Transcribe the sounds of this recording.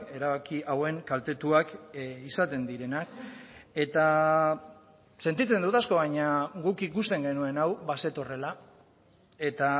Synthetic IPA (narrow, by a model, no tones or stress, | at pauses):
e̞ɾaβakiʔawe̞ŋkalt̪e̞t̪uakisat̪e̞nd̪iɾe̞nake̞t̪a | se̞nt̪it͡se̞nd̪ut̪asko̞βaɲaɡukikust̪e̞ŋɡe̞nue̞nawβase̞t̪o̞re̞la | e̞t̪a